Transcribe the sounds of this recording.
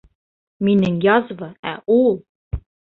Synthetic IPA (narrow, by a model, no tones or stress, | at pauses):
minɘŋjɑzvɤæulˠ